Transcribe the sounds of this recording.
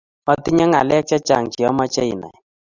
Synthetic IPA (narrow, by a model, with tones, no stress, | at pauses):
mɔ˦ti˦ɲa˦ŋa˨lɛ˦k̚t͡ʃa˦t͡ʃa˨ŋt͡ʃi˨ɔ˦ma˦t͡ʃɛ˦i˨na̰˨j